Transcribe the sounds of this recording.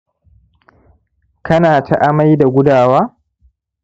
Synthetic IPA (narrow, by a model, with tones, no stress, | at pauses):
kɐ˦naː˨tʰa̰˨ʔa˦ma˦jda˨ɡʷʊ˦daː˨waː˦